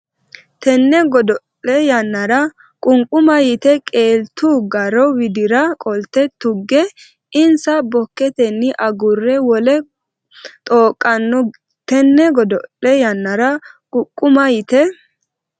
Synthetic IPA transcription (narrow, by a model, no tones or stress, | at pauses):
t̪ɛnːɛɡɔd̪ɔlːɛjɐnːɐɾɐ | kʼʊŋkʼʊmɐjɪt̪ɛkʼe̞ːlt̪uːɡɐɾɔwɪd̪ɪɾɐkʼɔlt̪ːɛt̪ːʊɡːɛ | ɪnsɐbɔkːɛt̪ɛnːɪʔɐɡʊrːɛwɔlɛ | t̪ʼoːkʼːɐnːɔ | t̪ɛnːɛɡɔd̪ɔlːɛjɐnːɐɾɐkʼʊkʼːʊmɐjɪt̪ɛ